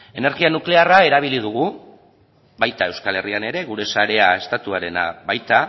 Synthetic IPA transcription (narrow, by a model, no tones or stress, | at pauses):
e̞ne̞ɾɣianukle̞arae̞ɾaβ̞ilið̞uɣ̞u | βajt̪ae̞wskale̞riane̞ɾe̞ɣuɾe̞saɾe̞ae̞st̪at̪uaɾe̞na̰βajt̪a